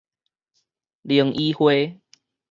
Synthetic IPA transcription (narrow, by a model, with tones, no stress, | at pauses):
li˨˦ə˦ŋʔi˦hwe˦